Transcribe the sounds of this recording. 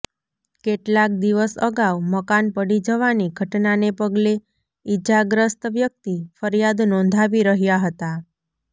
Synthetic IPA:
keʈlak̚d̪iʋəsəɡaʋməkanpəɽid͡ʒəʋaniɡʱəʈnanepəɡle | id͡ʒaɡɾəst̪ʋjək̚t̪ifəɾjad̪nɔ̃nd̪ʱaʋiɾəɦjaɦət̪a

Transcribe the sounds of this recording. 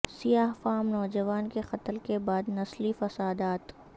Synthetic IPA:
sijaːɦfaːmnɔːd͡ʒɐʋaːnkexɐt̪lkebaːd̪nɐslifɐsaːd̪aːt̪

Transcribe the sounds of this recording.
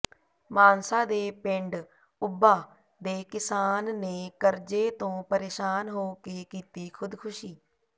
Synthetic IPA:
maːnsaːd̪eːpɪɳɖ | ʊbːaː | d̪eːkɪsaːnːeːkəɾd͡ʒeːt̪õːpəɾeːʃaːnɦoːkeːkiːt̪iːkʰʊd̪kʰʊʃiː

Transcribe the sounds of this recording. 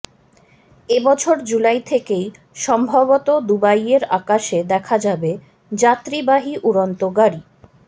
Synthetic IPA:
ebɔt͡ɕʰoɾd͡ʑulajt̪ʰekej | ʃɔmbʱabot̪od̪ubajeɾakaʃed̪ɛkʰad͡ʑabe | d͡ʑat̪ɾibaɦiʔuɾont̪oɡaɾi

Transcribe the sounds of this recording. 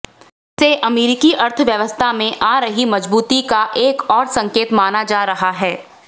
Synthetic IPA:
seʔɐmeːɾɪkiʔɐɾt̪ʰʋjɐʋəst̪ʰamẽʔaːɾɐɦimɐd͡ʒbuːt̪ikaʔeːkɔːɾsɐ̃ŋkeːt̪maːnad͡ʒaːɾɐɦaɦɛː

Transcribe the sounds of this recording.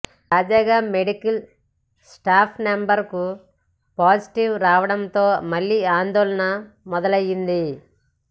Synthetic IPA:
t̪aːd͡ʒaːɡaːme̞ɽikɐl | sʈaːpʰnembɐɾku | paːd͡ʒiʈiʋɾaːʋɐɽɐnt̪o̞ːmɐlːiaːnd̪ɔːlɐnɐ | mɔd̪ɐlɐjːind̪i

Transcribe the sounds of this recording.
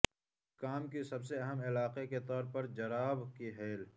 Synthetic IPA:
kaːmkisɐbseɐɦəmɪlaːqeket̪ɔːɾpɐɾd͡ʒɐɾaːbkiɦeːl

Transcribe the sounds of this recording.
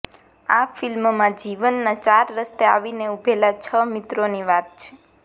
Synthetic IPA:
afɪlmmãd͡ʒiʋənːãt͡ʃaɾːəst̪ea̰ʋineubʱelat͡ʃʰəmit̪ɾoniʋat̪̚t͡ʃʰe̥

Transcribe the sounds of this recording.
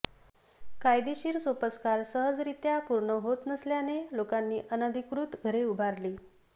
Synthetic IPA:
kajd̪iɕiːɾsopəskaɾsəɦəd͡zɾit̪japuɾɳəɦot̪nəsljanelokanːiːʔənəd̪ʱikɾuːt̪ɡʱəɾeubʱaɾliː

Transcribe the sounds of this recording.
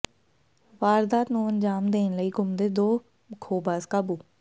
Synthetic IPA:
ʋaːɾd̪aːt̪nũːənd͡ʒaːmd̪eːnləiːɡʊmd̪ed̪oː | kʰoːbaːzkaːbuː

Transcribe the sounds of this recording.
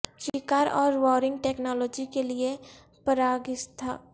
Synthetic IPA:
ʃɪkaːɾɔːɾʋɔːɾɪ̃ŋɡʈeːknɔːlɔːd͡ʒikelie | pəɾaːɡɪst̪ʰa̰ː

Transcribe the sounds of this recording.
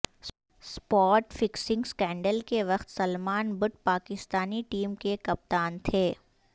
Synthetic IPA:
spɔːʈfɪksɪ̃ŋɡskɛ̃ːɳɖəlkeʋɐxt̪sɐlmaːnbʊʈ̚paːkɪst̪aːniʈiːmkekɐp̚t̪aːnt̪ʰeː

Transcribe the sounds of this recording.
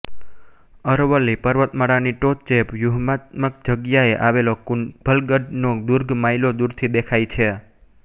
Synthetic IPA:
əɾʋəlːipəɾʋət̪məɽaniʈot̪t͡ʃepjuɦmat̪̚məkd͡ʒəɡjaeʔaʋelob̥ʱəlɡəɖnod̪uɾɡʱmailod̪uɾt̪ʰid̪ekʰajt͡ʃʰe

